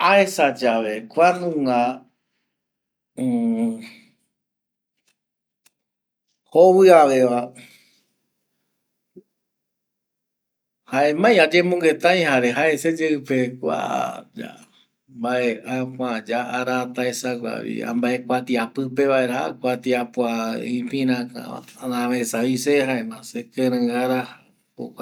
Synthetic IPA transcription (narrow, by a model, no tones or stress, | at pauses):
aesad͡ʒaʋe̞kʷanũa | hoβɨaʋe̞ʋa | hae̞mãj̃ad͡ʒẽmõŋɡe̞t̪ãj̃haɾeɦae̞sed͡ʒeɨpekʷa̰d͡ʒa̰ | mbaeʔakʷãd͡ʒaaɾat̪aesaɡʷa̰βḭã̰mbae̞kʷat̪iapɨpe̞βae̞ɾahakʷat̪iapwaĩpĩɾãka̰a̰nãβesaĩsehaemãsekẽɾɨ̃ɡaɾa | po̰a